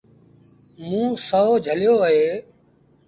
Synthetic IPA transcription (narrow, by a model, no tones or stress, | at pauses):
mũːsəoːd͡ʒʱəljoːəɦeː